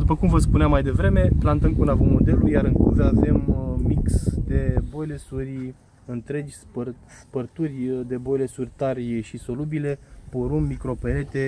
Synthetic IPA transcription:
d̪upəkumvəs̬puneamːajd̪e̞vɾe̞me̞plant̪əmkunavəmːod̪e̞luljaɾɨŋkṵzəave̞mmiksd̪e̞bo̞jle̞surʲ | ɨnt̪ɾe̞d͡ʒʲspərspərt̪urʲd̪e̞bo̞jle̞surʲt̪arʃiso̞lubile̞poɾumːikɾo̞pele̞t̪e̞

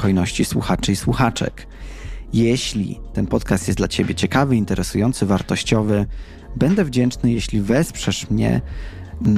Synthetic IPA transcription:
xɔjnɔɕt͡ɕiswuxat͡ʂɘiswuxat͡ʂɛ̰k | jɛɕlʲḭt̪ɛnpɔt̪kast̪jɛsd̪lat͡ɕebʲjɛt͡ɕɛkavɘint̪ɛɾʔɛsujɔnt̪sɘvaɾt̪ɔɕt͡ɕɔvɘ | bɛnd̪ɛvd͡ʑɛnt͡ʂnɘjɛɕlʲivɛspʂɛʂmɲɛ̰

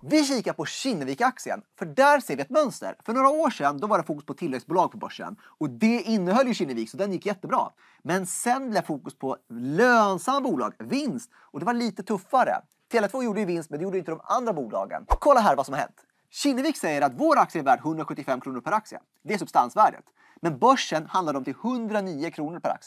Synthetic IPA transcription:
vɪɕiːkapʰɔɕɪnːəviːkaksɪə̰nfœɖæɾseːɾvɪɛt̪mœnst̪ə̰ɾfœɳoːɾaoːʂɛnd̪ɔvaɖɛfuːkɵspʰɔt̪ʰɪlːvɛɡsbuːlɑːɡ̚pʰɔbœ̰ʂːə̰n | ɔd̪ɛɪnːəɦœljɵɕɪnːəviːksɔd̪ɛnjɪkːjɛt̪ːəbɾɑ̰ː | mɛnsɛnblɛːfuːkɵspʰɔløːnsamːabuːlɑ̰ːɡvɪnst̪ | ɔd̪ɛvaɭiːt̪ət̪ʰɵfːaɾə̰ | t̪ʰeːlɛt̪voːjuːɖəjʏvɪnst̪mɛnd̪ɛjuːɖəɪnt̪əd̪ɔma̰nd̪ɾabuːlɑ̰ːɡə̰nkʰɔlːaɦæːɾvasɔmhaɾɦɛ̰nt̪ | ɕɪnːəviːksɛjːəɾat̪voːɾaksɪːɾvæːɖɦɵnd̪ɾaɧɵt̪ːɪfɛmːkʰɾuːnʊɾpʰæɾaksɪə̰ | d̪ɛæʂ̬ɵbst̪ansvæːɖə̰t̪ | mɛnbœʂːənhand̪ad̪əɔmt̪ʰɪlhɵnd̪ɾaniːʊkʰɾuːnʊɾpʰæɾa̰ksɪ

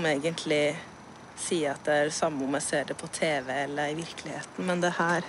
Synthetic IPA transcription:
neɪɡənt̪ʰlɪ | siːɑt̪̚d̪ɛæɾsɑmːəʊmæɪseːɖɛpʰɔt̪ʰeːʋɛɛlːəɾɪʋɪɾklɪheːt̪n̩mɛnd̪ɛhæːɾ

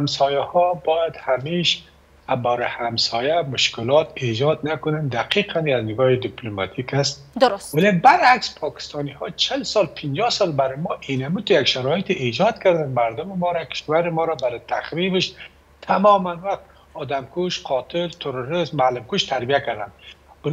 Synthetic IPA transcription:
amsɔjahɔbɔjad̪hameʃ | abawɾɪhamsɔjamʊʃkɪlɔt̪ed͡ʒɔt̪nakʊnand̪aqiqʰanjaznɪɡɔhɪd̪ɪplomɑt̪ʰikast̪̚ | walebaɾakspʰɒkɪ̥st̪ɔnihɔt͡ʃʰɪlsɔlpʰɪnd͡ʒɔsɒlbaɾɪmɔʔinamut̪ujakʃaɾɔjɪt̪iʔed͡ʒɔt̪kaɾd̪anmaɾd̪ʊmɪmɔɾakʰɪ̥ʃwaɾɪmɔɾabaɾɪt̪ʰaxɾibɪʃ | t̪ʰamɔmanwaxt̪ | ɔd̪amkuʃqʰɔt̪ʰɪlt̪ʰʊɾʊɾɪzmːalɪmkuʃt̪ʰaɾbijakaɾd̪a̰nb

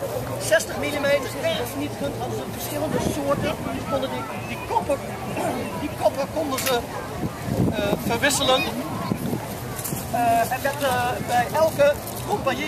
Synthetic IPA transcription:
sɛstəχmilimeːtərɛrsnitkøntɔnzənfərsxɪlˠəndəsoəɹtənəkondə | dikɔpə | dikɔpəkondənzə | fərʋɪsələn | ɛndɛtbɛjʔɛlˠkə | rɔmpaj

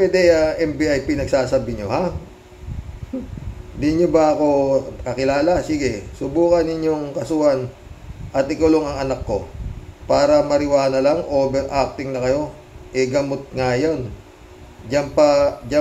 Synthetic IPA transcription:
pwɛd̪ɛɐʔɛmbiʔajpinɐɡ̚saːsabɪɲoha | nd̪iɲobɐʔɐko̞kɐkɪlaːlɐsiːɡɛsʊbuːkɐnɪɲjo̞ŋkɐsuːhɐn | ʔɐt̪ʔɪkʊloŋɐŋɐnakːo̞paːɾɐmɐɾɪwaːnɐlɐŋʔoːbɛɾʔak̚t̪ɪŋnɐkɐjo̞ | ʔɛɡɐmot̪̚ŋajon | d͡ʒɐmpɐd͡ʒa

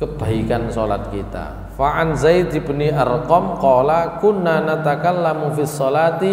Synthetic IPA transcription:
kəb̥a̤ikansola̰t̪̚kit̪a̰ | faʕanzajd̪ibəniʔarqɔmqɔlakʊnːanat̪akalːamufisˤːɔlat̪i

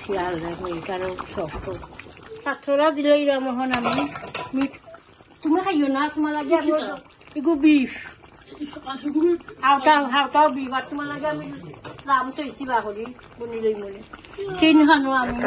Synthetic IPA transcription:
sialɛmɔkaɾɔsɔftɔsat̪ʰɾɔɾadilɔjɾamɔɦɔnamimi | tumakʰajɔnatumalaɡiami | iɡubif | awtaɦawtawbipʰattːumalaɡiamilamtɔjsiβaɦoli | bunilojmɔlitenɦanɔami

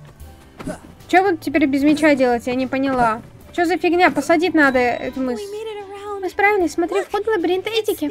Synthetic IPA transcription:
t͡ɕovɨtʲːɪpʲeɾʲbʲɪzmʲɪt͡ɕadʲelˠətʲjanʲɪpənʲɪlˠa | t͡ɕozəfʲɪɡnʲapəsɐdʲitʲnad̪əɛ̰t̪ʊmɨsʲiəamɨspɾavʲɪlʲɪsʲsmɐt̪ɾʲifxod̪lˠɐbʲɾʲint̪ɐɛtʲɪkʲɪ

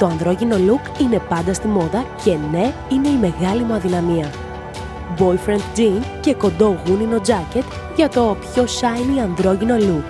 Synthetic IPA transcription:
t̪o̞ɐnðɾo̞ʝino̞lukine̞pɐnd̪ɐst̪imo̞ðɐce̞ne̞ine̞ime̞ɣɐlimuɐðinɐmiɐ | bo̞jfɾent̪d͡ʒince̞ko̞nd̪o̞ɣunino̞d͡zɐce̞t̪ | ʝɐt̪o̞pço̞sɐjniɐnðɾo̞ʝino̞luk

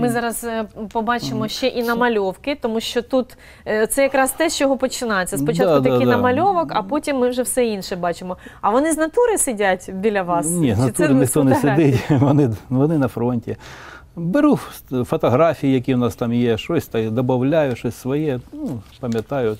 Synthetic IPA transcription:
mɪzɑɾɐspɔbɑt͡ʃɪmɔʃt͡ʃɛʔinɐmɐlʲɔwkɪt̪ɔmuʃt͡ʃɔt̪ut̪ | t̪sɛjɐkɾɑst̪ɛʃt͡ʃɔjɔɦɔpɔt͡ʃɪnɑjet͡sʲːɐsppɔt͡ʃdɑt̪ʊd̪ɐkij̪nɐmɐlʲɔʋɔkɐpɔtʲimːɪwʒɛwsɛinʃɛbɑt͡ʃɪmɔɐʋɔnɪznɐt̪uɾɪsɪdʲatʲbʲilʲɐʋɑsnʲeznɐt̪uɪɪxt̪ɔnɛsɪd̪ɪtʲʋɔnɪʋɔnɪnɐfɾonʲtʲɪ | bɪɾufɔt̪ɐɦɾafʲijijɐk̬ʲiʊnɑst̪ɑmjeʃosʲt̪ɑkd̪ɐbɐwlʲajʊʃɔsʲsʋɔjɛnupɐmʲjɐt̪ɑjʊ

